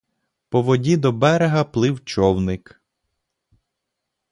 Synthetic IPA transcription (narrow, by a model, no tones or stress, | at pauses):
pɔʋɔdʲid̪ɔbɛɾeɦɐplˠɪwt͡ʃɔwnɪk